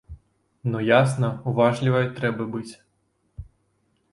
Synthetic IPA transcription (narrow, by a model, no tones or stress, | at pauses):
nɔjasnɐuvaʐlʲivɐjt̪ɾɛbɐbɨt͡sʲ